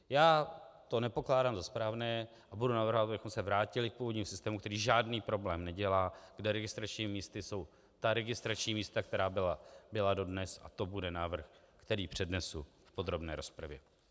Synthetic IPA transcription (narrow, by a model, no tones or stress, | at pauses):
jaːt̪o̞nɛpo̞klaːdaːmzaspɾaːvnɛː | ʔabudunavr̩ɦovat̪abɪxomsɛvɾaːcɪlɪk̚puːvodɲiːmusɪ̥st̪ɛːmukt̪ɛɾiːʒaːdniːpɾo̞blɛːmnɛɟɛlaːɡdɛɾɛɡɪst̪ɾat͡ʃɲiːmɪmiːst̪ɪso̞w | t̪aɾɛɡɪst̪ɾat͡ʃɲiːmiːst̪ak̚t̪ɛɾaːbɪlabɪlado̞dnɛsa̰t̪o̞budɛnaːvr̩x | kt̪ɛɾiːpr̝̥ɛdnɛsu | fpo̞d̪ɾo̞bnɛ̰ːɾo̞spɾavjɛ